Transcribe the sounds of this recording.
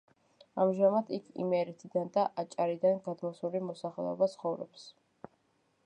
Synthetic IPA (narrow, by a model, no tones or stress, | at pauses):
amʒamad̪ikʰḭmɛɾɛt̪ʰid̪and̪aʔat͡ʃʼaɾid̪anɡad̪mɔsuɾimɔsaχlɛ̰ɔ̰bat̪sʰχɔvɾɔ̰ps